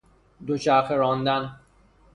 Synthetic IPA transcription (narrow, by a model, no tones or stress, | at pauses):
d̪ot͡ʃʰæxeɾɒːnd̪æn